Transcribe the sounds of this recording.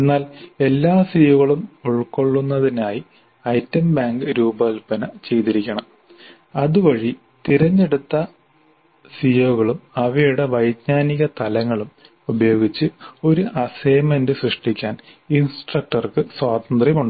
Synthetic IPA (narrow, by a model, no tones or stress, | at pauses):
enːaːle̞lːaːsijoɣɐɭumuɭko̞ɭːunːɐðinaːji | ɐjtːɐmbaːŋɡɨɾuːbɐɐlpɐnɐt͡ɕe̞jt̪iɾikʲːɐɳɐm | ɐðuʋɐɻi | t̪iɾɐɲːeɽut̪ːɐ | sijoɣɐɭumɐʋɐjuɽe̞ʋɐjd̪ɲaːniɣɐt̪ɐlɐŋːɐɭum | ubɐjo̞ːɡit͡ɕːɨo̞ɾuʔɐsejmendɨsrɨʂʈikʲːaːn | insʈrɐk̚ʈɐrkɨswaːd̪ɐnd̪rjɐmuɳɖɨ